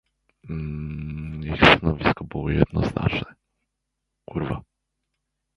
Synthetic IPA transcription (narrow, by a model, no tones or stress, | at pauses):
ixst̪anɔvʲiskɔbɨwɔjɛd̪̚nɔzna̰t͡ʂnɛ | kuɾva